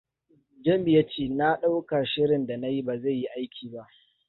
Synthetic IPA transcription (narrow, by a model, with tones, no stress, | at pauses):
d͡ʒɐ˦mbɪ˨ja˦t͡ʃeː˦˨na˦ɗa˦wka˨ʃɪ˦ɽɪ˨nda˨na˦ji˦ba˨za˦˨jːi˦ʔa˦jkʲiː˨ba˦ʔ